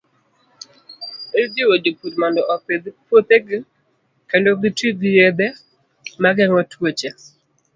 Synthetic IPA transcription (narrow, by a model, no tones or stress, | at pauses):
edewodipudmɔndɔʔɔped̪pwot̪eɡɪ | kɛndoɡɪtiɡɪjed̪e | maɡɛŋɔtwot͡ʃe